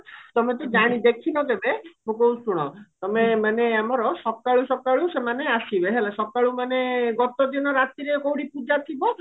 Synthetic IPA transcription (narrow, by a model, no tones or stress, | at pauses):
t̪ɔmet̪̬ud͡ʒaɽ̃id̪ekʰinɔkebemũkowt͡ʃʰuɽ̃ɔt̪ɔmemaneamɔɾɔsɔb̚kaɭusɔkaɭusemaneaʃibeɦelasɔkaɭumaneɡɔt̪od̪inɔɾat̪iɾekowɽipud͡ʒat̪ʰibɔ